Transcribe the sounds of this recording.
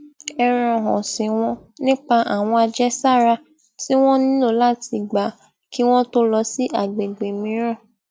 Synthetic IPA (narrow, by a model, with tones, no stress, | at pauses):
ɛ˧ɾ̃ɔ̃˨ɦɔ̃˨sĩ˨w̃ɔ̃˧ | nĩ˦k͡pa˧ʔa̰˨w̃ɔ̃˧a˧d͡ʒɛ˦sa˦˨ɾa˧ | ti˦w̃ɔ̃˦nĩ˦lo˦˨la˦˨ti˧ɡ͡ba˨ | ki˦w̃ɔ̃˦to˦lɔ˧si˦ʔa˦˨ɡ͡be˨ɡ͡be˨mĩ˨˦ɾ̃ã˦˨